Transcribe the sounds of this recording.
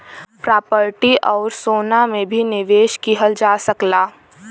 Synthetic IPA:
pɾaːpəɾʈiʔɔːɾsoːnamẽbʱinɪʋeːʃkiɦəld͡ʒaːsəklaː

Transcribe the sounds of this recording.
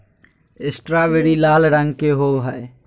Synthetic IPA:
ɪsʈɾaːʋeːɽilaːlɾə̃ŋɡkeɦoːɦae

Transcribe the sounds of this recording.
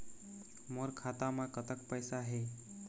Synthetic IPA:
moɾkʰat̪amakət̪əkpəjsaɦe

